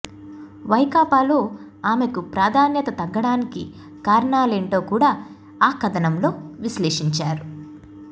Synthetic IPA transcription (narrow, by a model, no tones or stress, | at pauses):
ʋɐjkaːpaːloː | aːme̞kupɾaːd̪ʱaːnjɐt̪ɐt̪ɐɡːɐɽaːnikḭ | kaːɾɳaːleɳʈo̞ːkuːɽaː | aːkɐd̪ɐnɐmlo̞ːʋisleːʂiɲt͡ʃaːɾu